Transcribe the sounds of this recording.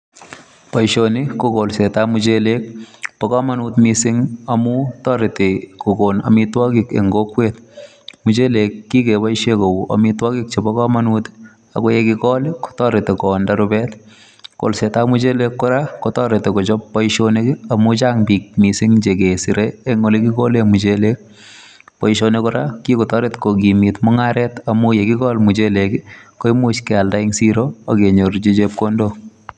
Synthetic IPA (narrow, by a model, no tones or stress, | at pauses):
pajʃonikokolsetamʊt͡ʃelek̚pɔkɔmanutmisɪŋɐmutɔɾɪtɪkokona̰mitwɔkikḛŋɡokːwet | mʊt͡ʃelekːikepajʃekowuʔɐ̰mitwɔkik̚t͡ʃebɔkɔmanut | a̰kojɛkikɔːlɪkɔ̥tɔɾɪtɪkɔːndaɾʊbɛt | ko̰lsetamut͡ʃelekːɔɾakotɔɾetekot͡ʃɔpːɔiʃonekiamut͡ʃaŋpik̚misiŋt͡ʃekesiɾeːŋːolekikolemut͡ʃelek̚ | pɔiʃonekɔɾakikotɔɾetkok̬imitmɔŋaɾɛtamujekikɔlmut͡ʃelekɪkoimut͡ʃkɛaldaiŋsiɾoakeɲoɾt͡ʃet͡ʃep̚kondo